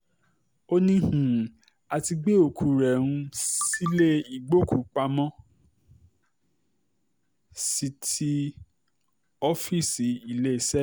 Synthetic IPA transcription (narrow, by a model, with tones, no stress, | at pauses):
o˧nĩ˦h̩˨ | a˧ti˧ɡ͡be˦o˨kʰu˨ɾɛ˨ɾ̃ũ˧si˦le˦i˨ɡ͡bo˦ku˨k͡pa˧mɔ̃˦ | si˧ti˦ | ɔ˦fi˦˨si˨i˨le˨˦˨sɛ˦